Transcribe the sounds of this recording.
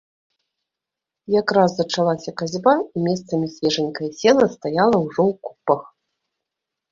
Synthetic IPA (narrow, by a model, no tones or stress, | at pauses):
jakɾazːɐt͡ʂalˠasʲɐkazʲbaimʲɛst̪sɐmʲisʲvʲɛʐɨnʲkɐjɐsʲɛlˠɐst̪ajalˠɐwʐɔwku̥pɐx